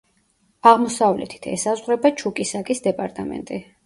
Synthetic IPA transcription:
aʁmɔsavlɛ̰t̪ʰi̥t̪ʰɛ̰sazʁɾɛbat͡ʃʰukʼisakʼisd̪ɛpʼaɾt̪ʼamɛ̰nt̪ʼi

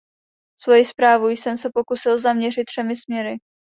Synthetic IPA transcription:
svo̞jispɾaːvujsɛmsɛpo̞kusɪlzamɲɛrɪt̪̚dr̥ɛmɪsmɲɛɾɪ

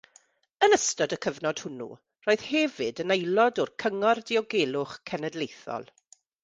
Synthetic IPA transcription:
ənəstɔdəkʰəvnɔd̥hʊnṵ | roːɨð̥hɛvɨdənejlˠɔdɔrkʰəŋɔrdɪɔɡeːlˠʊχkʰɛnɛdlejθɔ̰lˠ

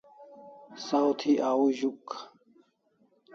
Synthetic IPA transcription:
sawt̪ʰiʔaːuʑuk

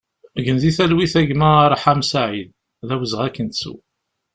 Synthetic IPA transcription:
ʝənziθælwiθæʝmæɾˤħamsaʕið | ðæwəzʁækːənt̪sṵ

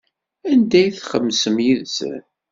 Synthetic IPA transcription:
ænd̪æjθχəmːsəmjiðsə̰n

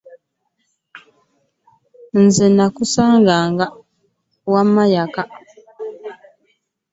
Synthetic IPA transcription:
n̩zenakusaːŋɡaŋɡa | wamajaka

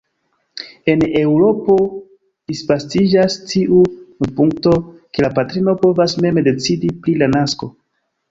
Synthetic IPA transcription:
e̞ne̞wɾo̞po̞ | dispastid͡ʒastiʔupuŋk̚to̞ke̞lapatɾino̞po̞vasme̞mde̞t͡sidipɾilanasko̞

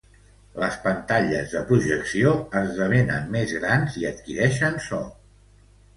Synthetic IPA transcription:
ləspənt̪aʎə̰zðəpɾuʒəksioəzðəβenə̰nmezɣɾanziət̪̚kiɾɛʃənsɔ

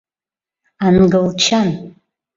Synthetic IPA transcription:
anɡɨlt͡ʃʰan

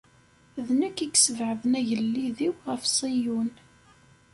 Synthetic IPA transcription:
ðnəkːiɡsəvʕəðənæʝəlːiðiwʁəfsˤijun

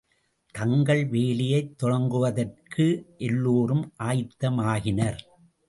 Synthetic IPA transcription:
t̪ɐŋɡɐɭʋeːlɪjɐɪt̪ːɔɽɐŋɡɯʋɐðɐrkʰɯʔɛlːoːɾɯmʔaːjt̪ːɐmaːɣɪnɐɾ

